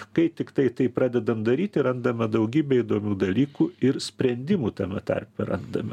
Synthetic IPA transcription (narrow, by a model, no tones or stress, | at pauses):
kɐɪt̪ʲɪkt̪ɐɪt̪ɐɪpɾɑːd̪ʲɛd̪ɐmd̪ɐɾʲiːt̪ʲɪɾɐnd̪ɐmʲɛd̪ɐʊɡʲiːbʲɛid̪oːmʲuːd̪ɐlʲiːkuɪɾsʲpʲɾʲɛnʲd̪ʲɪmuːt̪ɐmʲɛt̪ɐ̰rʲpʲɛɾɐ̰nd̪ɐmʲɛ